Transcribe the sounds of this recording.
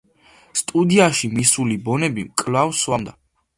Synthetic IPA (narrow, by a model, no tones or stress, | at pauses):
st̪ʼud̪iaʃimisulibɔnɛbimkʼlawswamd̪a